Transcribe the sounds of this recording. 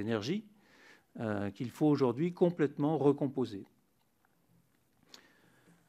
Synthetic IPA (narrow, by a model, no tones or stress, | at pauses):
enɛʁʒi | kʲilfooʒuʁd̪ɥikɔ̃plɛt̪mɑ̃ʁəkɔ̃poze